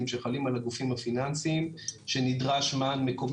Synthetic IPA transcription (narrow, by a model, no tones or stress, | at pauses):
imʃeχalimalaɡufimhafinansimʃe̞nidʁaʃmaːnme̞ko̞m